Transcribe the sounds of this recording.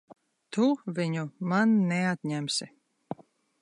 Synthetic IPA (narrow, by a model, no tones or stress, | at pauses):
t̪uvʲiɲumanːɛat̪ɲæmsi